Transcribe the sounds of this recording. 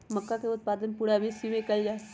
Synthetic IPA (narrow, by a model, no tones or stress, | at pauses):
mɐkːakeʊt̪̚paːd̪ənpuːɽabʱisimẽkɐld͡ʒaː